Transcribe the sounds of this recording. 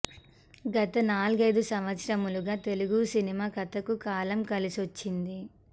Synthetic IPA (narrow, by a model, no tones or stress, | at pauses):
ɡɐt̪ɐnaːluɡɐjd̪usɐmʋɐt̪sɾɐmuluɡaːt̪e̞luɡusinimaːkɐt̪ɐkukaːlɐmkɐlisot͡ʃːind̪i